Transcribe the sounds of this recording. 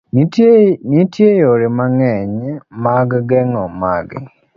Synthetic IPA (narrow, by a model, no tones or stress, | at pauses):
nitʰjejoɾemaŋɛɲmaɡɡɛŋɔmaɡɛ̰